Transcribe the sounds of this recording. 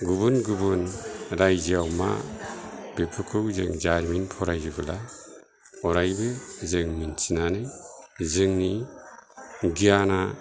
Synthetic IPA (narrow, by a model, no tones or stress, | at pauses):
ɡubunɡubunɾajziawma̰ | b̥epʰɯkʰɯwzeŋd͡ʒaɾminpʰɔɾajzɯbɯla | ɔɾajbɯzeŋminsinanɯjzɯŋni | ɡijana